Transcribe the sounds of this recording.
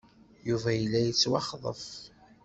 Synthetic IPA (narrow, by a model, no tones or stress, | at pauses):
juvæjəlːæjət͡sːwɑχðˤə̰f